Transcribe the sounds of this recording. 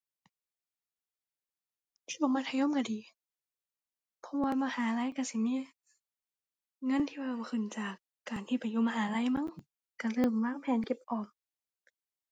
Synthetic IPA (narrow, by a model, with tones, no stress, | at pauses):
t̪ʰi˧˩bɔː˨˧˩maː˧˩t̪ʰa˧jɔː˧˥˨ka˧˩diː˨˦ | pʰɔ˧˥waː˧maː˧haː˨˦la˧˥˨jka˧˩si˨˦mi˧˥˨ | ŋɤ˧˥˨nt̪ʰiː˧waː˧˩bɔ˧˩kʰɯ˧˩nt͡ɕaː˨˩kːaː˨˩nt̪ʰiː˧˩pa˨jːuː˧˨maː˧ɦaː˨˦la˧˥jma˧˥˨ŋ | ka˧˩lɤː˧˩˨mwaː˧˥˨ŋpʰɛː˨˦nke˧˩p̚ʔɔː˨˩k̚